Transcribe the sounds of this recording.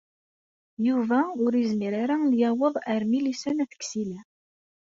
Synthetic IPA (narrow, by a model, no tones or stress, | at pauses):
juvæʊɾizmiɾaɾanjæwəðˤəɾmilisænæθə̥ksilæ